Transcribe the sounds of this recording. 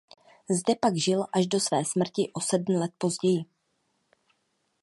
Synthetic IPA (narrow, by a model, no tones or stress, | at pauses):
zdɛpaɡʒɪlʔaʒdo̞svɛːsmr̩cɪʔo̞sɛdm̩lɛt̪̚po̞zɟɛjɪ